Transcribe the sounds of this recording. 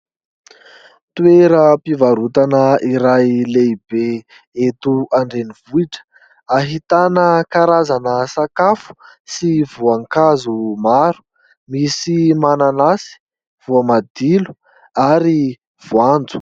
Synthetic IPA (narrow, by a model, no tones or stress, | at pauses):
t̪weɾəpivaɾut̪anəiɾajleibe | et̪uaɳɖ͡ʐeniv̥uiʈ͡ʂə̥ | aɦit̪anəkaɾazanəsakafu̥ | sivuaŋkazumaɾu̥ | misimananasi̥ | v̥uamad̪̥ilu̥ | aɾi | v̥uand͡zu̥